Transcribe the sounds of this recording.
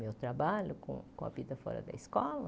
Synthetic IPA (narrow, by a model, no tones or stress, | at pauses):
mewt̪ɾabaʎʊkõ̰kõ̰ɐvid̪ɐfɔ̰ɾɐ̰d̪ɐ̰iskɔlɐ